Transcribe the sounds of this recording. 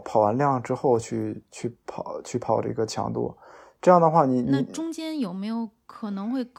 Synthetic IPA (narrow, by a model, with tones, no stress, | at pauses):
pʰɑ˨˩ʊwa˧˥nljɑ˥˩ŋʈ͡ʂɻ̩˥xo˥˧ʊt͡ɕʰy˥˧˩t͡ɕʰy˥˩pʰɑ˨˩˦ʊt͡ɕʰy˥˩pʰɑ˨˩ʊʈ͡ʂə̰˧i˧˥ɡə˧t͡ɕʰjɑ̰˧˥ŋt̪ṵ˥˩ʈ͡ʂɤ˥˧jɑ˥˩d̪ə˩xwa˥˩ni˧˩ni˥˧˥ʈ͡ʂʊ˥ŋt͡ɕjɛ˥njo˨˩ʊme˧˥ɪjo˧˥ʊkʰɤ˨˩nɤ˧˥ŋxwe˥˩ɪk